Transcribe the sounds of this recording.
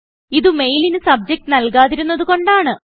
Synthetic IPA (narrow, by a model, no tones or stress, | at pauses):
iðɨme̞jlinɨsɐb̚d͡ʑɐk̚ʈɨnɐlk̬aːðiɾunːɐðuko̞ɳɖaːɳɨ